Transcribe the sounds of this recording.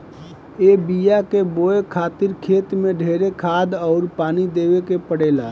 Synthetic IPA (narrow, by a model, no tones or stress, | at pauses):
ebijakeboekʰaːt̪ɪɾkʰeːt̪mẽɖʱeːɾekʰaːd̪ɔʊɾpaːnid̪eːwekepəɽeːla